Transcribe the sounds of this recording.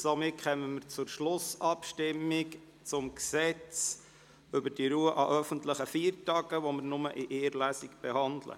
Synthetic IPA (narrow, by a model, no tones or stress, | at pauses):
somɪtχɛməməɾt͡sʊɾʃlʊsɑpʃtɪmːik | t͡sʊmksɛt͡s | ʏbəɾd̥iɾuːəʔɑʔœfənt̪ləχəfiːɾtɑɡəʋɔməɾnʊmə̰ʔɪʔeːɾlæsikb̥ɛhɑnd̪lə̰